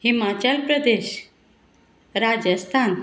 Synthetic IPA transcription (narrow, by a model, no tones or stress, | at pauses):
himat͡ʃalpɾəd̪eʃ | ɾad͡ʒəst̪ʰan